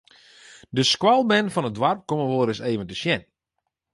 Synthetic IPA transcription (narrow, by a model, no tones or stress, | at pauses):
dəskwalˠbɛnfɔnədʋarp̚koməʋoəɾɪseːvəntəʃjɛn